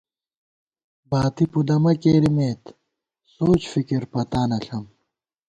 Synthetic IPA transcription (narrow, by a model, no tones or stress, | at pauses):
baːt̪ipud̪ɐmɐkeːɾimeːt̪ | soːt͡ɕfikiɾpɐt̪aːnɐɬɐm